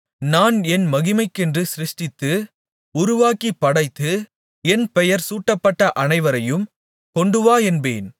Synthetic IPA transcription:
naːnɛnmɐɣɪmɐɪkːɛndrɯsɪɾɪʂʈɪt̪ːɯ | ʊɾʊʋaːkipːɐɽɐɪt̪ːɯ | ɛnpɛjɐɾsuːʈːɐpːɐʈːɐʔɐnɐɪʋɐɾɐjɯm | kɔɳɖɯʋaːɛnbḛːn

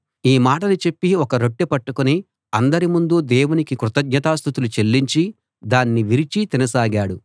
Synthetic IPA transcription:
iːmaːʈɐnit͡ʃe̞pːiɔkɐɾo̞ʈːepɐʈːukuni | ɐnd̪ɐɾimund̪ud̪ɛːwunikikɾut̪ɐɡɲɐt̪aːst̪ʰut̪ulut͡ʃe̞lːiɲt͡ʃi | d̪aːnːiʋiɾit͡ʃit̪inɐsaːɡaːɽu

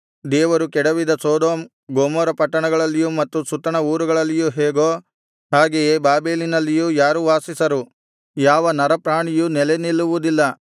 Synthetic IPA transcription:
d̪ɛːʋɐɾukɛɽɐʋid̪ɐsoːd̪oːm | ɡoːmoːɾɐpɐʈːɐɳɐɡɐɭɐlːijumɐt̪ːusut̪ːɐɳɐuːɾuɡɐɭɐlːijuɦɛːɡo̞ː | ɦaːɡejebaːbeːlinɐlːijujaːɾuʋaːsisɐɾu | jaːʋɐnɐɾɐpɾaːɳijunɛlenilːuʋud̪ilːɐ

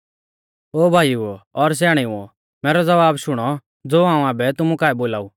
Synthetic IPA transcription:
oːbʱaːjuɔɾs̬ɛːɽ̃iũɔ | mɛːɾɔd͡zɐʋaːbʃʊɽ̃ɔ | d͡zoːãːũaːbɛt̪ʊmukaːɛboːlaːu

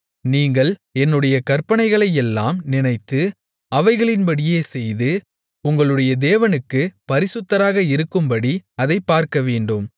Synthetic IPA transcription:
niːŋɡɐɭɛnːɯɽɐjɐkɐɾpɐnɐɪɣɐɭɐjɛlːa̰ːmnɪnɐɪt̪ːɯ | ɐʋɐɪɣɐɭɪnpɐɽɪjeːsɛjðɯ | ʊŋɡɐɭɯɽɐjɐd̪eːʋɐnɯkːɯpɐɾɪsɯt̪ːɐɾaːɣɐɪɾɯkːɯmbɐɽiɐðɐɪpːaːɾkɐʋeːɳɖɯm

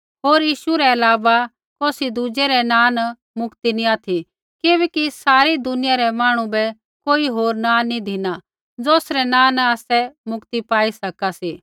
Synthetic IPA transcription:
ɦoːɾjiːʃuɾɛɐlaːʋa | koːsid̪ud͡ʒɛɾɛnãːn | mʊkt̪iniaːt̪ʰi | kɪbɛːkisaːɾid̪ʊnɪjaɾɛmaːɽ̃ũbɛ | koːiɦoːɾnãːnid̪ʱɪna | d͡zoːsɾɛnãːnaːsɛmʊkt̪ipaːisɐkasiː

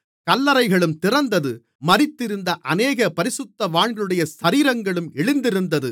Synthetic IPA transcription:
kɐlːɐɾɐɪɣɐɭɯmt̪ɪrɐnd̪ɐðɯ | mɐɾɪt̪ːɪɾɯnd̪ɐʔɐneːɣɐpɐɾɪsɯt̪ːɐʋaːɳɡɯɽɐjɐsɐɾiːɾɐŋɡɐɭɯmɛɭɯnd̪ɪɾɯnd̪ɐðɯ

